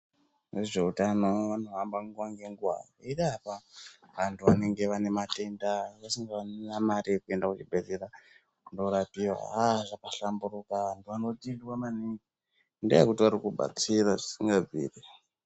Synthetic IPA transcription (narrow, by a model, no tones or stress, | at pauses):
reʐe̞utanoʋan̤uʋambaŋɡuwaŋɡe̞ŋɡuwa̰roirapa | ʋantʰuʋa̰ne̞ŋɡe̞ʋane̞mate̞ndaʋasiŋɡaannamariekue̞ndakut͡ʃibʱed͡zera | kundoɾapiwa̰aʐakaɬamburukaʋantʰuʋano̞tindiwamaniŋɡi | ndḛekutiʋaɾikuɓa̰t͡siraʐisiŋɡab͡vḭːri